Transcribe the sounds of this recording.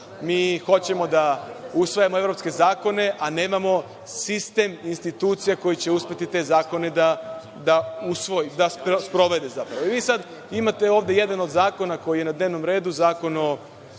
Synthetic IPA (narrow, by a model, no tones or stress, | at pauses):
miːxo̞t͡ɕe̞mo̞d̪ausʋajamoe̞vɾo̞pske̞zaːko̞ne̞ʔane̞ːmamo̞ | sist̪e̞minst̪it̪uːt̪sijako̞jit͡ɕe̞uspe̞t̪it̪e̞zaːko̞ne̞d̪a | d̪ausʋo̞jid̪aspospɾo̞ʋe̞d̪e̞zapɾaʋoiʋiːsad̪ | imat̪e̞oːʋd̪e̞je̞d̪ano̞d̪zaːko̞nako̞jije̞nad̪ne̞ːʋno̞mɾe̞ːd̪uzaːko̞no